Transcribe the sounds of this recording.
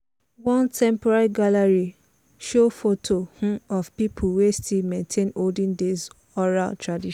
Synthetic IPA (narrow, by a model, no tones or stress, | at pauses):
wɔ̃ntʰɛ̃mpɔɹaɹiɡalaɹi | ʃofotʰohũɔvpipʰulwestʰilmɛ̃ntʰẽnoldĩndez | ɔɹa̰ltʰɹadiʃ